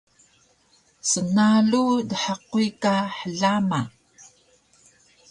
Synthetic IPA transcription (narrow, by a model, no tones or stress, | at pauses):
sənaɮudəħəquikaħəɮama